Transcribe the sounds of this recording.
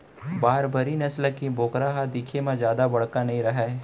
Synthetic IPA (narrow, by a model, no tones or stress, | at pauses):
baːɾbɐɾinɐslakiboːkɾaɦad̪iːkʰemãd͡ʒjaːd̪abɐɽkanɐɦĩɾɐɦa